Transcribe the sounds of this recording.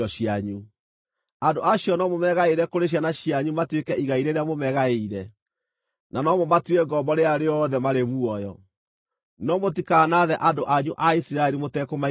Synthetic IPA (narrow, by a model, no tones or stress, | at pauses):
ɔɕiaɲu | andoaɕjɔnɔmomɛɣaeɾɛkoɾeɕ̬janaɕiaɲumatwekɛʔiɣaiɾeɾeamomɛɣaeiɾɛ | nanɔmɔmatwɛɡɔmbɔɾeaɾeɔðɛmaɾemuɔjɔ | nɔmotikaːnaðɛʔadoʔaɲuʔaisiɾaɛɾimotɛkoma